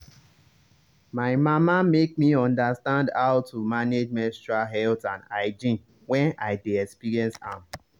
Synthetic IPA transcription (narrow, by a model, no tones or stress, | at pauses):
maɪmamamek̚miɔ̃ndastãndaʊtʰumaned͡ʒmɛ̃ntɹaɦɛltãnaɪd͡ʒĩn | wɛ̃naɪdeɛkspiɹiɛ̃nsam